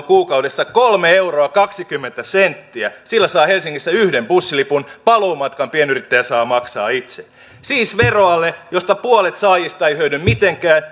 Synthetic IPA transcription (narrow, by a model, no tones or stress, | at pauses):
kuːkɑwdesːɑkolmeeuroɑkɑksikymːent̪æsent̪ːiæsilːæsɑːhelsiŋːisːæyhdempusːilipunpɑloːmɑt̪kɑmpienyrit̪ːæjæsɑːmɑksɑ̰ːit̪se | siːsʋeroɑlːejost̪ɑpuolet̪sɑːjist̪ɑeijhøynymmit̪eŋkæːn